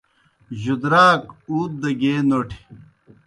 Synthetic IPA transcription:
ʑud̪ɾaːkuːt̪̚d̪ɐɡeːnoʈʰi̥

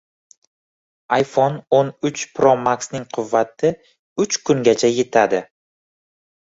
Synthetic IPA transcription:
ajfononʊt͡ʃpʰɾomaksnɪŋqʰʊvːat̪ʰɪ | ʊt͡ʃkʰʊŋɡʲat͡ʃʰaje̞t̪ʰad̪ɪ

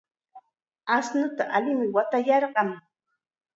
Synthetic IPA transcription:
asnʊt̪aʔalɪmɪwat̪ajɑɾɢɑŋ

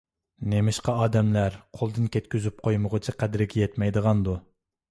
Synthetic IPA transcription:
nemɪʃqɑɑːd̪ɛmlæɾqʰolˠd̪ɨnkʲʰɛt̪̚kʲyzyp̚qʰojməʁət͡ʃʰiqʰɛd̪ɪɾɪɡʲɛjɛt̪mɛjd̪əʁɑnd̪u

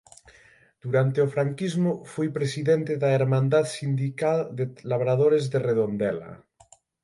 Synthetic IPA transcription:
d̪̥uɾant̪eofɾaŋkizmofujpɾesiðent̪eðaeɾmãnd̪aðsind̪ikald̪elaβ̞ɾað̞oɾezðereðond̪ɛla̰

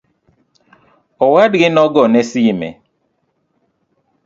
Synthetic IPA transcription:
ɔwadɡɪnɔɡɔnɛsimɛ̰

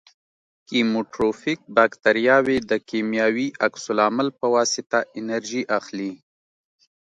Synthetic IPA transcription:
kimoʈɾofik̚bakt̪aɾjɑwed̪əkemjɑwiʔaksʊlɑmalpəwɑsɪt̪aʔɪnaɾʒiʔaxli

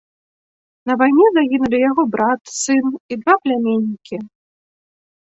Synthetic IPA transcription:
nɐvajnʲɛzaɣʲinulʲijaɣɔbɾat̪sɨnid̪vaplʲamʲenʲːikʲi

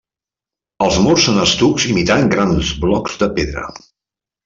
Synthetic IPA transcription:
əlˠzmorsːonəst̪ukzimit̪aŋɡɾanzβlɔkz̥ðəpeðɾə̰

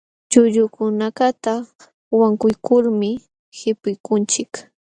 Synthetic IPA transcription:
t͡ʃʊʎʊkʊnakat̪a | waŋkʊjkʊɾmɪ | hɪpʊjkʊnt͡ʃɪk

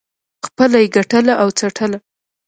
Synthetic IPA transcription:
xpəlajeɡaʈəlaʔawt͡saʈʰəla

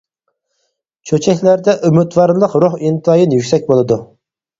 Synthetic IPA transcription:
t͡ʃʰøt͡ʃʰɛkʲlæɾd̪ɛʔymyt̪wɑɾlˠəqɾuχint̪ʰɑjinjykʲsɛk̚ʲbolˠɨd̪u

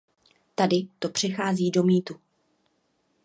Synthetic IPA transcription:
t̪adɪt̪o̞pr̝̥ɪxaːziːdo̞miːt̪u

